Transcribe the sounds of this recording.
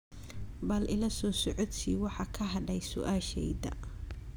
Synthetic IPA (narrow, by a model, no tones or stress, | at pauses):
bɐlʔɪlɐsɔːsɔʕɔd̪siːwɑħɑkʰɐɦɐɖɛjsʊ̰ʔaːʃɛ̰jd̪ɐ̰